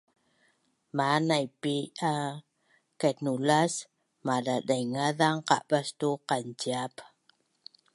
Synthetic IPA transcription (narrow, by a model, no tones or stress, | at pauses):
manajpia | kat̪nulas | madadajŋaðaŋqa̰ʔbastuqand͡ʒiap